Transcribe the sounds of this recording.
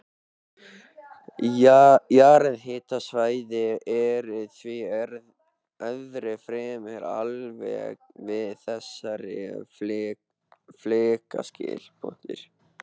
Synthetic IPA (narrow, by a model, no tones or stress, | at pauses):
jaːɾɛðhɪːt̪asvaːjðɪɛɾɪðθviɾ | œðɾɛfɾɛːmɛɾa̰lvɛ̰ːɣvɪðθɛsːaɾɪ | fleːka̰scɪ̰ːlpʰo̰n̥t̪ɪ̰ɾ̥